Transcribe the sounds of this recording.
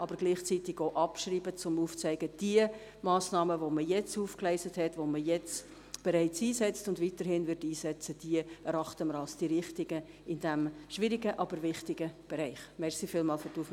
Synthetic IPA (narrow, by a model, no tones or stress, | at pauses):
ʔɑbəɾɡ̥liːχt͡sitɪɡ̥oʔɑpʃriːbət͡sʊmuːft͡sæɪɡəd̥iə | mɑːsnɑːməvoməjɛt͡suːfklɛɪsəthɛtʋoməjɛt͡s | b̥eɾɛɪt͡siːsɛt͡stʊndʋitəɾhɪnvɪtiːsɛt͡səd̥iəɛɾɑχtəməɾɑlsd̥iɾɪχtɪɡə | ɪndæmʃʋɪɾɪɡəʔɑbəɾvɪχtɪɡəb̥eɾɛɪχmɛrsifiːlmɑːlfʏɾtuːf